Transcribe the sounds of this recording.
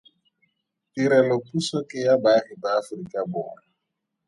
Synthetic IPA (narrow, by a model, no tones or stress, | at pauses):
tiɾɛlɔpʼusɔkʼɪjabaritaːfrikʼabɔːna